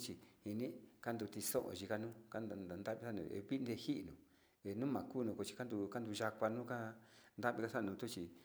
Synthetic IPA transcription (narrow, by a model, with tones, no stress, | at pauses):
t͡ʃi˧hi˧nĩ˦ka˦nd̪u˧t̪i˧sõ˦ʔõ̰˨ʒi˧ka˧nũ˦ka˦n˧a˧nd̪a˦βi˧sa˦nṵ̃˧˨ḛ˧βi˦˧nd̪e˧hi˦ʔnũ˨ | e˨nũ˦mã˨kuː˦˧nũ˧ko˧t͡ʃi̥˧ka˦nd̪u˧ka˦nd̪u˧ʒa˧kʷa˧nũ˦ka˦nd̪a˦βi˧ka˧sa˦˨nũ˨˧t̪u˦t͡ʃi˧